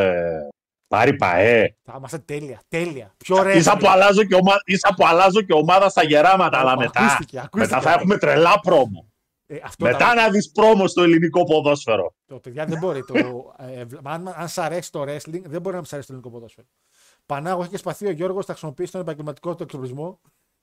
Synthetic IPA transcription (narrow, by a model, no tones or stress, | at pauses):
e | pɐ̰ɾipɐ̰eθɐimɐst̪et̪eliɐt̪eliɐpçoɾeisɐpoɐlɐzoceomɐisɐpoɐlɐzoceomɐðɐst̪ɐʝe̞ɾɐmɐt̪ɐːlɐme̞t̪ɐsieɐkumet̪ɐθɐexume̞t̪ɾelɐpɾo̞mo̰ | ɐft̪ome̞t̪ɐnɐðispɾo̞mo̞st̪o̞iliniko̞po̞ðo̞sfe̞ɾo̰t̪opeðʝɐðebo̞ɾit̪ovɐnɐnsɐɾe̞si̥t̪o̞ɾesliŋɡðeboɾinɐmisɐɾesit̪oliniko̞poðosfeɾo | pɐnɐɣoiçecespɐθio̞ʝo̞ɾɣosnɐxɣɾisimo̞piːsit̪ne̞p̬ɐɲɟelmɐt̪i̥ko̞t̪oeksoplizmo̞